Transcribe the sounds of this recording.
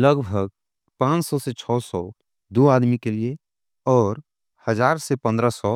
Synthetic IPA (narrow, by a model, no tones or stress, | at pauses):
ləɡbʱəɡ̚ | pãːt͡ʃsɔset͡ʃʰɔːsɔ | d̪oaːd̪mikelie | ɔːɾ | həd͡ʒaːɾsepə̃nd̪ɾəsɔ